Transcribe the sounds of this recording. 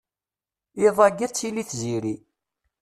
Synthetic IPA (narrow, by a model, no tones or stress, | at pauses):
iðˤɑɡːæt͡sːiliθziɾi